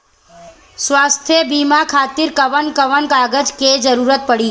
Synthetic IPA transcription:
swaːst̪ʰjəbiːmakʰaːt̪ɪɾkəʋənkəʋənkaːɡəd͡ʒked͡ʒəɾuːɾət̪̚pəɽiː

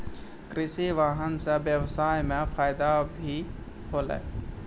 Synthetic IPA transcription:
kɾɪsiʋaːɦənseʋjəʋsaːjmẽfʰaːɪd̪abʱi | ɦoːla̰

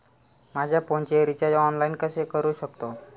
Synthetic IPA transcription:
mad͡ʑʱjapɔ̃ɲt͡ɕeɾit͡ɕad͡ʑɔnlainkəsekəɾuːɕəkt̪o

